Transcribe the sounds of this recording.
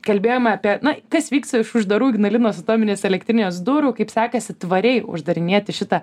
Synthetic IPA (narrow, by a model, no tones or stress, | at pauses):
kɐlʲbʲeːjoːmɐɐpʲiɛnɐkɐsʋʲiːkst̪ɐɪʃʊʒd̪ɐɾuːɡʲnɐlʲɪnoːsɐt̪oːmʲɪnʲeːsɛlʲɛkt̪ʲɾʲɪnʲoːs̬d̪uɾʊːkɐɪpsʲɑːkɐsʲɪt̪ʋɐɾʲɛɪʊ̰ʒd̪ɐɾʲɪnʲeːɛt̪ʲɪʃʲɪt̪ɐ